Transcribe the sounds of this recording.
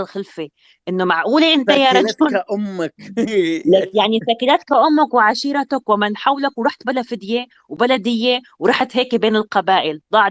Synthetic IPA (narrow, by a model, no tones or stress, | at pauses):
lxɪlfe | ʔɪnːomaʕʔuːleʔɪnt̪ajaɾˤɑkʊʔʊmːaklajaʕnisaːkɪlaːt̪kaʔʊmːakwɪʕaʃiːɾˤɑt̪akwamanħawːlakwɾɑːħt̪̚balafɪd̪je | wbalad̪ɪjːe | wɾˤɑːħt̪ɦeːkbeːnɪlqɑbaːʔɪld̪ˤɑʕ